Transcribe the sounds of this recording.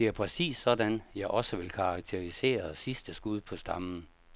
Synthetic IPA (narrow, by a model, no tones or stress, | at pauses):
d̥e̝æɐpʰʁɛsḭːsːɒ̽dænjɑ̈ɪʔɒ̽səʋe̝lkʰɑ̈ɑ̈ɡ̥̚t͡sʰe̝ʁise̝̰ːɐsisd̥əsɡ̥uð̞̰ˠpʰɒ̽sd̥ɑ̈mn̩